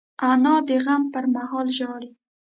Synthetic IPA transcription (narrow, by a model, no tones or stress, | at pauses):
anɑd̪əɣampəɾmahɑlʒɑɽi